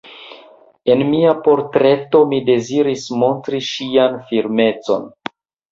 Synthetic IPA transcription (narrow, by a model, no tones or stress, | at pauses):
e̞nmiapo̞ɾtɾe̞to̞mide̞ziɾismo̞ntɾiʃianfiɾme̞t͡so̞̰n